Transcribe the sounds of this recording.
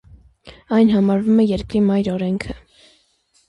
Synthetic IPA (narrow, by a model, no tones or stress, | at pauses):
ɑjnɦɑmɑɾvumɛjɛɾkɾimɑjɾɔɾɛŋkʰə